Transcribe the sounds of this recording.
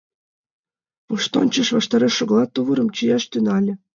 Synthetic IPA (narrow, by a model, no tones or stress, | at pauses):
puʃt̪o̰nʲt͡ɕɤ̆ʃvɑʃt̪ɑɾɤʃɤ̆ɣlˠɑt̪ːuβɤ̆ɾɤ̆mt͡ɕijɑʃt̪ynɑlʲɘ̆